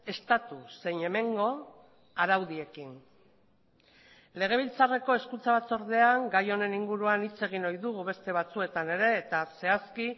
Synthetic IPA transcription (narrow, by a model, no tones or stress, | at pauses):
e̞st̪at̪use̞jɲe̞me̞ŋɡo̞ | aɾawðie̞kin | le̞ɣ̞e̞β̞ilt͡sare̞ko̞e̞skunt͡saβat͡so̞ɾðe̞aŋɡajo̞ne̞niŋɡuɾuanit͡se̞ɣ̞inojðuɣuβe̞st̪e̞β̞at͡sue̞t̪ane̞ɾe̞ːt̪ase̞aski